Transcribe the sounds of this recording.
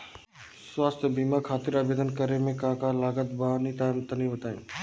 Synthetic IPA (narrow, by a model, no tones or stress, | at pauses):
swaːst̪ʰbiːmakʰaːt̪ɪɾaːbeːd̪ənkəɾemẽkãːkalaːɡət̪̚banit̪at̪ənĩbət̪aːḛ̃ː